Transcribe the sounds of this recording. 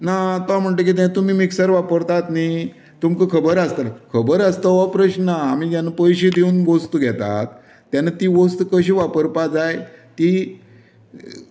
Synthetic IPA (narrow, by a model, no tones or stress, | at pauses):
nat̪am̤əɳʈ̪ək̬it̪̬et̪um̤iːmiksəɾʋapəɾt̪at̪ni | t̪umkəkʰəbəɾəst̪akʰəbəɾəst̪əʋapɾəɕnaam̤id͡ʑjanapəjɕed̪euːnɡost̪uɡʱjɛt̪a̰t̪̚ː | janat̪iːɡost̪ukəɕ̬iʋapəɾpad͡zajt̪i